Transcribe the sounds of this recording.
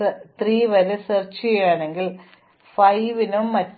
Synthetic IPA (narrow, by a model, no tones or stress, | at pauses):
t̪riːʋɐɾesert͡ɕːijaːɳe̞ŋɡil | fɐjʋinumːɐtː